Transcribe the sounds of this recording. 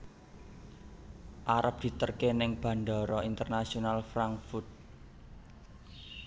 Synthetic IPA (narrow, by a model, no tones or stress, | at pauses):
ʔaɾəp̚d̪̥i̤t̪ərkenɪŋb̥ä̤ɳɖ̪ɔ̤ɾɔint̪ərnasionalfɾaŋkfurt̪̚